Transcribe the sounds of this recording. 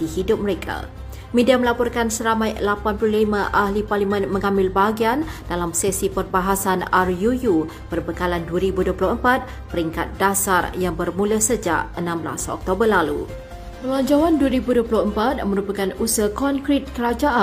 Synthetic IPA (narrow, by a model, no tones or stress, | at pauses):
d̥ihidʊp̚məɾekʰa̰ | mẽdiaməlapɔrkansəɾamãjlapanplulimãʔahliparlimə̃nmə̃ŋãmbɪlbaɡiandalamsɛsipərbaɦasanarjuju | pərbəkalanduəɾibuduəplʊhəmpat̪̚ | pəɾiŋka̰t̪̚dasarjaŋbərmũləsəd͡ʒa̰ʔənãmbla̰sɔ̰k̚t̪obərlalṵ | pəlaɲd͡ʒawanduəɾibuduəpulʊəmpat̪̚mə̃ɾupakanusəkɔŋkɾɪt̪̚kəɾad͡ʒaʔa